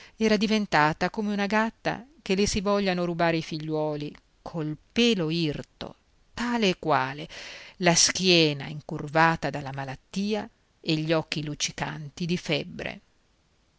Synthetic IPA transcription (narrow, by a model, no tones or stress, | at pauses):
ɛːɾad̪ivent̪aːt̪akomeunaɡat̪ːa̰kelesivɔʎːanoɾubaːɾeifiʎːwɔːli | kʰolpɛːloirt̪o̰ | t̪aːleːkːwaːlelaskjɛːna̰iŋkurvaːt̪ad̪alːamalat̪ːiːa | eʎːɔkːilut͡ʃika̰nt̪id̪ifɛbːɾḛ